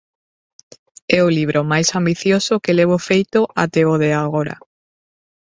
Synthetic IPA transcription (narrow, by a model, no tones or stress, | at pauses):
ɛoliβ̞ɾʔomajsambiθjosokeleβ̞ofejt̪oʔat̪eoðeaɣoɾa̰